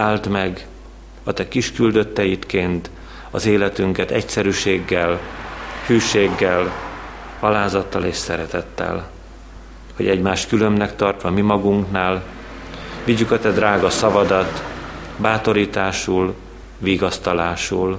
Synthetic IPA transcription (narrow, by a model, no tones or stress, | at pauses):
aːlt̪mɛɡ | ɒt̪ɛkiʃkyld̪ø̞t̪ːɛjit̪keːnt̪ | ɒzeːlɛt̪yŋkɛt̪ɛcsɛɾyːʃeːɡːɛlhyːʃeːɡːɛl | ɒlaːzɒt̪ːɒleːʃsɛɾɛt̪ɛt̪ːɛ̰l | ho̞̰ɟɛɟmaːʃt̪kylø̞mnɛkt̪ɒrt̪ʋɒmimɒɡuŋknaːl | viɟːykɒt̪ɛd̪raːɡɒsɒvɒd̪ɒt̪baːt̪o̞ɾiːt̪aːʃuːl | viːɡɒst̪ɒlaːʃul